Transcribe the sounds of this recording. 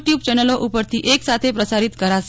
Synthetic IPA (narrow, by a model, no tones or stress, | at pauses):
ʈjub̚t͡ʃɛnəloʔupəɾt̪ʰiʔeksat̪ʰepɾəsaɾit̪kəɾaʃ